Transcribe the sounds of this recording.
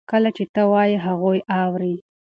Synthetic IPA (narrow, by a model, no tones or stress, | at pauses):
kəlat͡ʃet̪əwɑjiɦaɣojɑwɾi